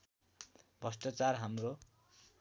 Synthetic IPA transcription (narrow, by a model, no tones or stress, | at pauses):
bʱʌsʈʌt͡sarɦamro